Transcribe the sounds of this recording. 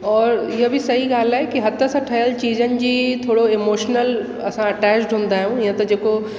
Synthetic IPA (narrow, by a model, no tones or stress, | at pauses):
ɔːɾɪɦəbʱɪsɐɦiɡaːl̤aːɦekiɦɐt̪əsɐʈʰɐjəlt͡ɕiːzənɪ̆d͡ʑiːt̪ʰoːɽoemoːʃnəl | ɐ̰sãɐʈɛːt͡ʃʈɦũːn̆d̪aːɦiũiːə̃t̪ɐd͡ʑeːko